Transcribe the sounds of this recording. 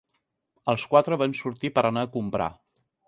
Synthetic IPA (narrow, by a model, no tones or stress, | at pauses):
əlˠskwat̪ɾəβansuɾt̪ipəɾənaəkumpɾa̰